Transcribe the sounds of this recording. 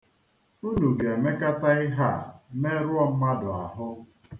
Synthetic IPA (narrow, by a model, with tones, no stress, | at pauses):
u˦nu˨ɡe˨e˨me˦ka˦ta˦ɪ˦ɦa̰˦˨me˦ɾʊ˦ɔ˦m̩˦ma˦dʊ˨a̰˨ɦʊ˦